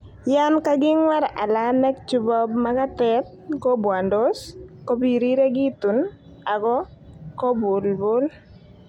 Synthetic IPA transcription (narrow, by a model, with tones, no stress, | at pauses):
ja˦nka˦ɡɪ˦ŋwa˦ɾa̰˨la˦nɛ˦k̚t͡ʃu˦bɔ˦bma˦ka˦tɛ˦t̪̚kɔ˦bwa˨ndo˦sko˦bi˨ɾi˦ɾe˦ɡɪ˦t̪u˨n | a˨ɡɔ˦kɔ˦bʊ˨lbʊ˦l